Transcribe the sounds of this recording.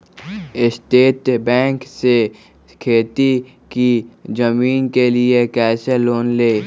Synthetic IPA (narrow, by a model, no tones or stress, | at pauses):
ɪst̪eːt̪bɛ̃ːŋkse | kʰeːt̪i | kid͡ʒəmiːnkeliekɛːseloːnleː